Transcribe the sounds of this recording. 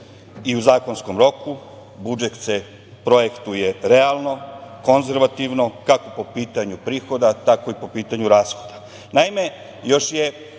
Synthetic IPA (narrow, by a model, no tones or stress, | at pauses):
iuzaːko̞nsko̞mɾo̞ku | bud͡ʒekt̪se | pɾo̞jekt̪uje̞ɾe̞alˠno̞ko̞nze̞ɾʋat̪iʋno̞kako̞po̞piːt̪aɲupɾiːxo̞d̪at̪ako̞ipo̞piːt̪aɲuɾaːsxo̞d̪̥ḁ | naime̞ | jo̞ʃje